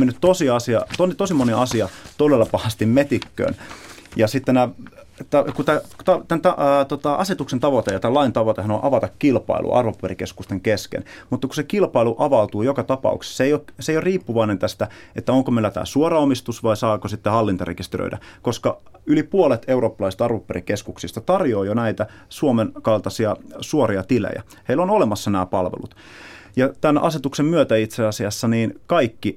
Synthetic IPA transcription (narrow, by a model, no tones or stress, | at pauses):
menːyt̪t̪osiɑsiɑ̰t̪onit̪osimoniɑsiɑt̪odelːɑpɑhɑst̪immet̪ikːø̰ːnjɑsit̪ːenæ | t̪ækut̪æt̪ɑt̪ænt̪ɑt̪ot̪ɑʔɑ̰set̪uksent̪ɑʋot̪ejɑt̪æːlɑint̪ɑʋot̪ehɑnonʔɑʋɑt̪ɑkkilpɑ̰ḭlʔṵʔɑ̰rʋopuerikeskust̪eŋkeskḛn | mut̪ːɑkusekilpɑiluʔɑʋɑut̪uːjokɑt̪ɑpɑ̰ṵkse̥sseijokseijoriːpːuʋɑinent̪æst̪æ | et̪ːæoŋkomelːæt̪æ̰ːsuoɾɑomist̪usʋɑisɑːkosit̪ːehɑlːint̪ɑrekist̪eɾø̰dʔæ̰koskɑylipuolet̪euro̞ːpːɑlɑist̪ɑrʋopːeɾikeskuksist̪ɑt̪ɑrjoːjonæit̪æ | suomenkɑlt̪ɑsiɑsuoɾiɑt̪ilḛjæ̰ | heilːonolemɑsːɑnæːpɑlʋḛlut̪ | jɑt̪ænɑ̰set̪uksemmyøt̪æit̪seɑsiɑsːɑniːnkɑikːi